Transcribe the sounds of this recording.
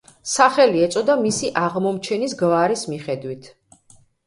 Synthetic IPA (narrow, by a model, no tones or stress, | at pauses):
saχɛliɛt̪sʼɔd̪amisiʔaʁmɔmt͡ʃʰɛnisɡvaɾismiχɛd̪wit̪ʰ